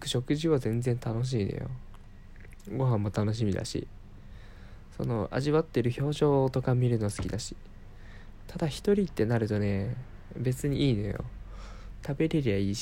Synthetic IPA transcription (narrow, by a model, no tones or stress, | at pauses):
kɯ̟̥ɕo̞kɯ̟ʑiβazẽ̞nd͡zẽ̞nt̪ano̞ɕ̬iːno̰jo̰ | ɡo̞ɦãmːo̞t̪ano̞ɕ̬imʲid̪a̰ɕḭ | so̞̰no̞̰ʔa̰ʑiβat̪ːe̞ɾɯ̟ço̞ːʑo̞ːt̪o̞kamʲiɾɯ̟no̞asɨ̥kʲid̪aɕi̥ | t̪ʰad̪açi̥t̪o̞ɾʲit̪ːe̞naɾɯ̟t̪o̞ne̞ | be̞t͡sɨɲ̟iiːno̞̰jo̞̰ | t̪abe̞ɾe̞ɾʲijaiː